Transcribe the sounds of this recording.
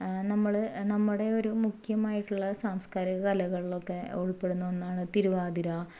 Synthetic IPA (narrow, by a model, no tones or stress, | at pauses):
nɐmːɐɭnɐmːuɽe̞o̞ɾumukʰjɐmaːjiʈːuɭːɐsaːmskaːɾiɣɐkɐlɐɣɐɭilo̞kːe̞oɭipːe̞ɽunːuʋenːaːɳɨt̪iɾuʋaːd̪iɾa